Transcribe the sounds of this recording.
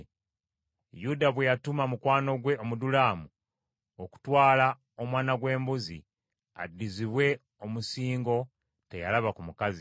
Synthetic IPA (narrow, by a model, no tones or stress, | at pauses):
judaβwe̞jatumamukwaːno̞ɡwe̞omudulaːmu | o̞ku̥twaːla | o̞mwaːnaɡwe̞ːmbuzḭ | a̰dːiziβwe̞ | omusiːŋɡo̞ | te̞jalaβakumukazi